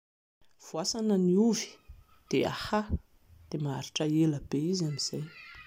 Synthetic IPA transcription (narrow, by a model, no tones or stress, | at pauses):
v̥uasanəniuvi̥ | d̪̥ea̰ha | d̪̥emaaɾiʈ͡ʂəeləbeiziamiz̥aj